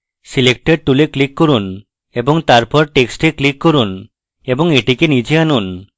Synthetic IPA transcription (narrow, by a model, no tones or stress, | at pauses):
silek̚ʈeɖ̚ʈuleklikːoɾun | eboŋt̪aɾpɔɾʈeksʈeklikːoɾun | eboŋeʈikenid͡ʑeanun